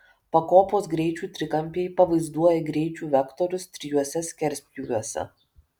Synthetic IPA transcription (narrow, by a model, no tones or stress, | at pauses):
pɐkoːpoːsɡɾʲɛɪt͡ʃʲuːt̪ʲɾʲɪkɐmʲpʲeːjpɐʋɐɪzd̪uɔjɛɡɾʲɛɪt͡ʃʲuːʋʲɛkt̪ɔɾʲʊst̪ʲɾʲɪjuɔsʲɛsʲkʲɛɾʲsʲpʲjuːʋʲuɔsʲɛ̰